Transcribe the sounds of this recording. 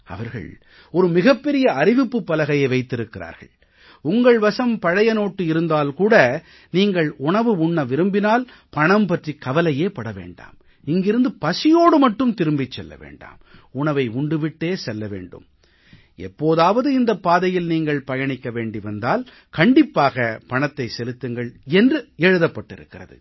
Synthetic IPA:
ɐ̰ʋɐɾɣɐ̰ɭ | ɔɾɯmɪɣɐpːɛɾɪjɐɐɾɪʋɪpːɯpːɐlɐɣɐjɐɪʋɐɪt̪ːɪɾɯkːɪɾa̰ːɾɣɐ̰ɭ | ʊŋɡɐɭʋɐsɐmpɐɻɐjɐnoːʈːɯɪɾɯnd̪aːlkuːɽɐ | niːŋɡɐɭʊɳɐʋɯʊɳːɐʋɪɾɯmbɪnaːl | pɐɳɐmpɐʈrikːɐʋɐlɐjeːpɐɽɐʋḛːɳɖa̰ːm | ɪŋɡɪɾɯnd̪ɯpɐsɪjoːɽɯmɐʈːɯmt̪ɪɾɯmbɪt͡ʃːɛlːɐ̰ʋḛːɳɖa̰ːmʊɳɐʋɐɪʊɳɖɯʋɪʈːeːsɛlːɐʋḛːɳɖɯ̰m | ɛpːoːðaːʋɐðɯɪnd̪ɐpːaːðɐjɪlniːŋɡɐɭpɐjɐɳɪkːɐʋeːɳɖiʋɐnd̪aːl | kɐɳɖɪpːaːɣɐpɐɳɐt̪ːɐɪsɛlɯt̪ːɯŋɡɐɭɛndrɯɛɻɯðɐpːɐʈːɪɾɯ̰kːɪrɐ̰ðɯ̰

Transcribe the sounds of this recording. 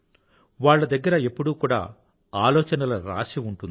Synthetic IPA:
ʋaːɭːɐd̪ɐɡːɐɾɐepːuɽuːkuːɽa̰ː | aːlɔːt͡ʃɐnɐlɐɾa̰ːʂiuɳʈuni

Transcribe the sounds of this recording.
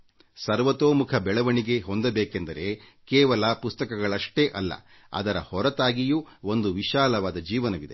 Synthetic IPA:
sɐɾʋɐt̪oːmukʰɐbɛɭɐʋɐɳiɡe̞ɦo̞nd̪ɐbeːkend̪ɐɾe̞ | kɛːʋɐlɐpust̪ɐkɐɡɐɭɐʂʈe̞ʔɐlːɐ̰ | ɐ̰d̪ɐɾɐ̰hɔɾɐt̪aːɡijuo̞nd̪uʋiʃaːlɐʋaːd̪ɐd͡ʒiːʋɐnɐʋid̪e

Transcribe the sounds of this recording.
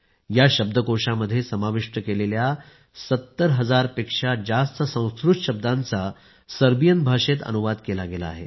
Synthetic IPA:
jaɕəb̚d̪ʱəkoʂaməd̪ʱːjesəmaʋiʂʈəkelelja | sət̪ːəɾɦəd͡zaɾpekʂad͡zast̪əsə̃w̃skɾuʈɕəb̚d̪ãnt͡sa | səɾbijənbʱaʂet̪ə̰nuʋad̪kelaɡela̰ːɦḛ

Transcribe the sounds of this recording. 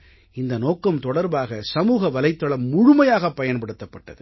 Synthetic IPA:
ɪnd̪ɐnoːkːɐmt̪ɔɽɐɾbaːɣɐsɐmuːɣɐʋɐlɐɪt̪ːɐɭɐmːʊɻʊmɐjaːɣɐpːɐjɐnpɐɽɯt̪ːɐpːɐʈːɐðɯ

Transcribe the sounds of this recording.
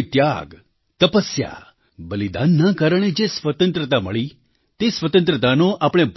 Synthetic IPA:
t̪jaɡ | t̪əpəsja̰ | bəlid̪anːakaɾəɳ̃ed͡ʒesʋət̪ə̃nt̪ɾət̪aməɭi | t̪esʋət̪ə̃nt̪ɾət̪anoʔapɽ̃ebʱ

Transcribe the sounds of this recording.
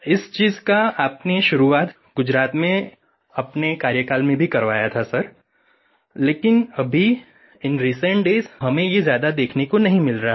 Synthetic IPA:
ɪst͡ʃiːzkaaːpneʃʊɾuaːt̪ | ɡ̥ʊd͡ʒɾaːt̪mẽ | ɐpnekaːɾjəkaːlmẽbʱikɐɾʋaːjat̪ʰasɐɾ | leːkɪnɐbʱi | ɪnɾiːsə̃ɳʈɖeːzɦɐmẽjezjaːd̪ad̪eːkʰnekonɐɦĩmɪlɾaɦ

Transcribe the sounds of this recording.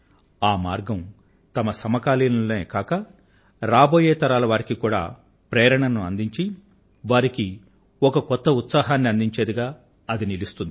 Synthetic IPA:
aːmaːɾɡɐm | t̪ɐmɐsɐmɐkaːliːnɐleːkaːkɐ | ɾaːbo̞ːjeːt̪ɐɾaːlɐʋaːɾikikuːɽa̰ː | pɾɛːɾɐɳɐnuɐ̰nd̪iɲt͡ʃi | ʋaːɾiki | ɔkɐkɔt̪ːɐut̪saːɦaːnːiɐnd̪iɲt͡ʃeːd̪iɡaː | ɐd̪inilist̪und̪i

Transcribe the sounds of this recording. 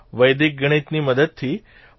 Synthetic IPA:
ʋəjd̪ik̚ɡəɽ̃it̪niməd̪əd̪̚t̪ʰi

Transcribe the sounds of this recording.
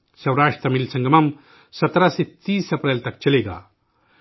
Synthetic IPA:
sɐwɾaːʂʈt̪ɾɐmilsɐ̃ŋɡəmɐm | sɐt̪ɾaset̪iːsɐpɾelt̪ɐk̚t͡ʃɐleɡa̰

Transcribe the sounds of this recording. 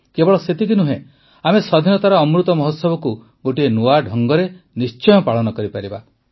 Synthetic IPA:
kebɔɭɔset̪ikinuɦẽ | amesɔd̪ʱinɔt̪aɾɔːmɾut̪ɔmɔɦɔt̪sɔbɔku | ɡoʈienuaɖʱɔŋɡɔɾenist͡ʃɔjɔpaɭɔnɔkɔɾipaɾiba

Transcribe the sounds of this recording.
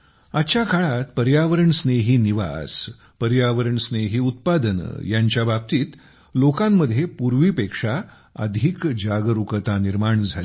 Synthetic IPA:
att͡ɕjakʰaɭat̪pəɾjaʋəɾəɳsneɦiːniʋa̰s | pəɾjaʋəɾəɳsneɦiːut̪̚pad̪ən̰jaɲt͡ɕjabab̚t̪iːt̪ | lokãmːəd̪ʱjepuɾʋiːpekʂa | ə̰d̪ʱikd͡ʑaɡəɾukət̪aniɾmaɳd͡zʱali

